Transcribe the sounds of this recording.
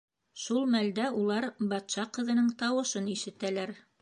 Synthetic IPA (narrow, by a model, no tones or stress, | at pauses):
ʃulˠmæld̪æulˠɑɾbɑt̪ʃɑqɤ̆ðɤ̆nɤɴt̪ɑwɤ̆ʃɤniʃɘ̆t̪ælæɾ